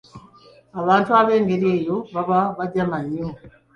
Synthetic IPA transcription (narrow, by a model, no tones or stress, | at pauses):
aβaːntuaβeːŋɡeɾiejoβaβaβaɟamaɲo